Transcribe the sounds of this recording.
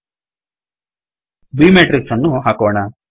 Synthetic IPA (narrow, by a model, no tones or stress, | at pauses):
biːmeːʈɾiksɐnːuɦaːkɔːɳɐ